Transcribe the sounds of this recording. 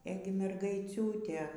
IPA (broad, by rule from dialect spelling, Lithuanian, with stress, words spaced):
ˈeːɡʲɪ mʲɛrɡɐɪˈt͡sʲuːtʲeː